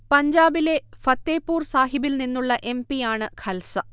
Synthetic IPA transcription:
pɐɲd͡ʑaːbile̞fɐt̪ːeːpːuːrsaːɦibilninːuɭːɐʔe̞mpijaːɳɨkʰɐlsɐ

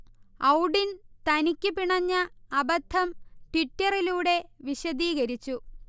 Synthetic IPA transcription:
ɐwɽint̪ɐnikʲːɨpiɳɐɲːɐːbɐt̪ʰːɐmʈiʈːɐriluːɽe̞ʋiɕɐd̪iːɣɐɾit͡ɕːu

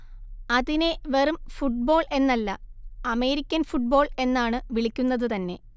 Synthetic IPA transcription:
ɐðineʋerumfuʈ̚bo̞ːɭe̞nːɐlːɐɐme̞ːɾikʲːɐnfuʈ̚bo̞ːɭe̞nːaːɳɨʋiɭikʲːunːɐðɨt̪ɐnːe̞

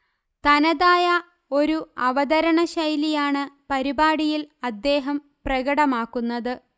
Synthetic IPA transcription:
t̪ɐnɐðaːjɐ | o̞ɾuɐʋɐd̪ɐɾɐɳɐɕɐjlijaːɳɨpɐɾibaːɽijilɐd̪ːe̞ːɦɐm | prɐɣɐɽɐmaːkːunːɐðɨ

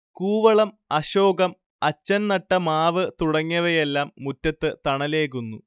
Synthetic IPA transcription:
kuːʋɐɭɐm | ɐɕo̞ːɡɐm | ɐt͡ɕːɐnnɐʈːɐmaːʋɨt̪uɽɐŋːɐʋɐje̞lːaːmːutːɐt̪ːɨt̪ɐɳɐle̞ːkunːṵ

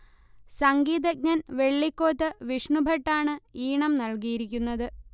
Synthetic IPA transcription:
sɐŋɡiːðɐɡ̚ɲɐnʋe̞ɭːikːo̞ːt̪ːɨʋiʂɳubʱɐʈːaːɳɨiːɳɐmnɐlkijiɾikʲːunːɐðɨ

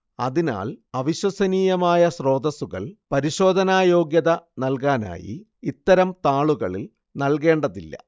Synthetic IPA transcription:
ɐðina̰ːɭɐʋiɕwɐsɐniːjɐmaːjɐsro̞ːd̪ɐsuɣɐ̰ɭpɐɾiɕo̞ːd̪ʱɐnaːjo̞ːɡjɐðɐnɐlkaːna̰ːjḭ | it̪ːɐɾɐmt̪aːɭuɣɐɭil | nɐlke̞ːɳɖɐðilːɐ̰

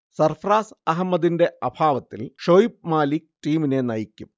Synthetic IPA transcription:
sɐrfraːsɐɦɐmːɐd̪inde̞ʔɐbʱaːʋɐt̪ːilʂojip̚maːlikʈiːmine̞nɐjikʲːum

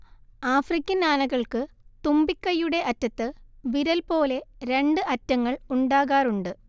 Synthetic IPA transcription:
aːfrikʲːɐnaːnɐɣɐɭkɨ | t̪umbikʲːɐjːuɽe̞ʔɐtːɐt̪ːɨʋiɾɐlpo̞ːle̞ɾe̞ɳɖɨʔɐtːɐŋːɐɭuɳɖaːɣaːruɳɖɨ

